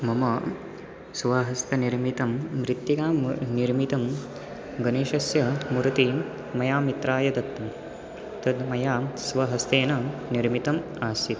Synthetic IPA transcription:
mɐmɐ | sʋaːɦɐst̪ʰɐniɾmit̪ɐmːɾit̪ːikaːmniɾmit̪ɐm | ɡɐneːʃɐsjɐmuɾut̪i | mɐjaːmit̪ɾaːjɐd̪ɐt̪ːɐm | t̪ɐd̪mɐjaːsʋɐɦɐst̪eːnɐniɾmit̪ɐm | aːsit̪

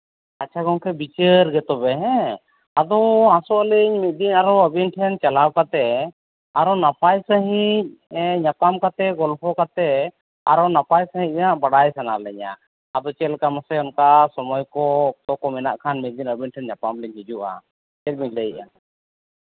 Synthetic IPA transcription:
at͡ʃʰaɡɔ̃ŋkɛbit͡ʃəɾɡɛt̪ɔbɛɦɛ̃ | ad̪ɔãsɔʔlɛɲmɛd̪inaɾɔəbinʈʰɛnt͡ʃalawkat̪ɛ | aɾɔnapajsəɦic̚ɲapamkat̪ɛɡɔlpʰɔkat̪ɛ | a̰ɾɔnapajsəɦĩc̚maʔbaɽajsanalɛɲa̰ː | d̪ɔt͡ʃɛlkamasɛɔnkasɔmɔjkɔɔt̪ɔkɔmɛnaʔkʰanmɛd̪inəbinʈʰɛnɲapamlɛɲɦid͡ʒuʔa̰ | t͡ʃɛt̚micləjʔa̰

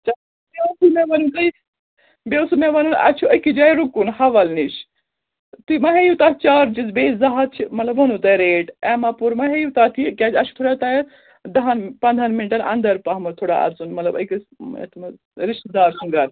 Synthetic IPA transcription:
t͡ʃɐ | bʲesumeʋɐnunt̪ɐj | bewsumeʋɐnunɐ̰t͡ʃʰuɐkid͡ʒaːjɾukunhɐʋɐlniʃ | t̪imɐɦejut̪at̪ʰt͡ʃaːɾt͡ʃizbeːzɐɦɐt̪̚t͡ʃʰimɐt̪lɐbɦɐnut̪ɐjɾeːʈɛmapuɾmɐɦejut̪at̪ʰikʲaːd͡ʒɐt͡ʃʰu̥t̪ʰoːɽat̪ɐjɐ | d̪ɐɦɐnpɐnd̪ʱɐnminʈɐnʔɐ̰nd̪ɐɾpaɦmɐt̪ʰoːɽa̰ɐ̰t͡sunmɐt̪lɐbɐ̰kisḛt̪ʰmɐ | ɾiʃt̪d̪aːɾsɐŋɡɐɾ

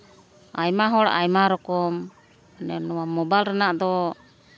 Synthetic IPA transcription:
a̰jmaɦɔɽa̰jmaɾɔkɔm | nɛnɔwamɔbajlɾanaʔd̪ɔ

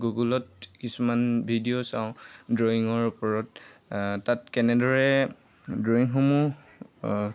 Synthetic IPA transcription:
ɡuɡulɔtkisumanbʱidiosa̰ʊ̃dɹoiŋɔɹupɔɹɔttatkɛnɛdɔɹɛ | dɹoiŋɦomu

